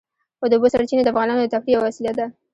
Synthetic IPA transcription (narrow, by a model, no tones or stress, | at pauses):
xod̪əubosaɾt͡ʃined̪əafɣɑnɑnod̪ət̪afɾijawawasilat̪̚d̪a